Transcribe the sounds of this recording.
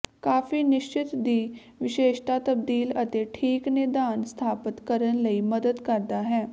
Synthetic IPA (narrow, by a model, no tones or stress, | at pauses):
kaːfinɪʃt͡ʃɪt̪d̪iː | ʋɪʃeːʃt̪at̪ɐb̚d̪iːlət̪eʈʰiːknɪd̪aːnst̪ʰaːpət̪kəɾənləiməd̪əd̪kəɾd̪aɦɛː